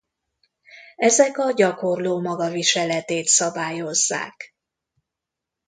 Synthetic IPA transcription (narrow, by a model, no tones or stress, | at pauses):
ɛzɛkɒɟɒko̞rloːmɒɡɒviʃɛlɛt̪eːt̪sɒbaːjo̞zːa̰ːk